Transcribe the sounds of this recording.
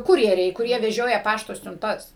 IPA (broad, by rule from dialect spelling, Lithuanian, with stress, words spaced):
ˈkʊrʲjɛrʲɛɪ kʊˈrʲiɛ ʋʲɛˈʒʲoːjɛ ˈpɑːʃtoː sʲʊnˈtɐs